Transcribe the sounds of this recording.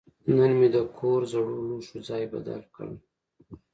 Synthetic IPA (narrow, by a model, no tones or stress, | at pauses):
nənmed̪əkʰoɾzaɽuluʃud͡zɑjba̰d̪a̰lkə̰ɳ